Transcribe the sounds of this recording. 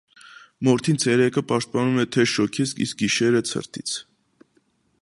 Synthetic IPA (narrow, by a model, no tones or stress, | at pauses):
mɔɾt̪ʰint͡sʰɛɾɛkʰəpɑʃt̪̚pɑnumɛt̪ʰɛʃɔkʰiskḭsk̚ɡiʃɛɾət͡sʰə̰ɾt̪ʰit͡sʰ